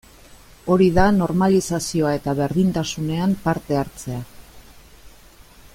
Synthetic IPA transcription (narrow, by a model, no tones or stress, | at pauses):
o̞ɾiðano̞ɾmalisasio̞ae̞t̪aβe̞ɾðint̪asune̞ampaɾt̪e̞aɾt͡se̞a